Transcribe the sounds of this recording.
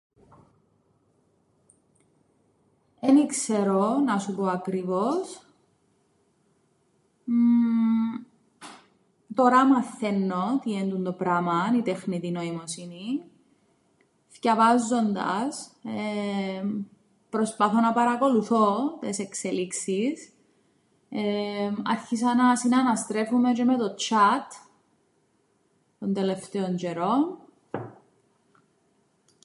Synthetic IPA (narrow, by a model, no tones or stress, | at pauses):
enikse̞ɾonɐsupoɐkɾivos | t̪o̞ɾɐmɐθːe̞nːot̪iend̪und̪opɾɐmɐnit̪exnit̪inoimosini | fcɐvɐzːo̞nd̪ɐ̰se | pɾo̞spɐθo̞nɐpɐɾɐko̞luθo̞t̪esekseliksis | emɐ̰ɾçis̬ɐnɐsinɐnɐst̪ɾe̞fume̞t͡ʃemet̪o̞t͡ʃʰɐt̪ | t̪o̞nd̪ele̞ft̪eo̞nd͡ʒeɾo̞n